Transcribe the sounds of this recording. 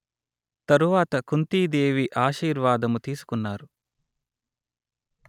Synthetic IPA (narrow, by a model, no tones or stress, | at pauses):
t̪ɐɾuʋaːt̪ɐkunt̪iːd̪eːʋiʔaːʃiːɾʋaːd̪ɐmut̪iːsu̥kunːaːɾu